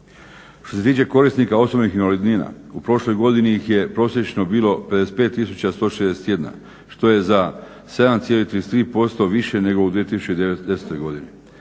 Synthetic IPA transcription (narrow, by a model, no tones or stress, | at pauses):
ʃt̪o̞set̪iːt͡ɕe̞ko̞ɾist̪nikao̞so̞bnixinʋalid̪niːna̰upɾo̞ʃlo̞jɡo̞d̪iniixje̞pɾo̞ːsje̞t͡ʃno̞biːlˠo̞pe̞d̪ese̥t̪pe̞ːt̪ːisut͡ɕast̪o̞ːʃed̪eset̪je̞d̪na̰ | ʃt̪o̞je̞za | se̞d̪amt̪sijelit̪ɾiest̪ɾiːpo̞st̪o̞ʋiʃe̞ne̞ɡo̞ud̪ʋiet̪isu̥t͡ɕed̪eed̪eset̪o̞jɡo̞d̪ini